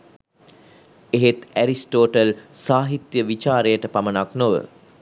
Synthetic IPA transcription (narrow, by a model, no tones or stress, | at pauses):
eɦet̪æɾisʈoːʈəlsaːɦit̪jəʋit͡ʃaːɾejəʈəpamənaknoʋə̰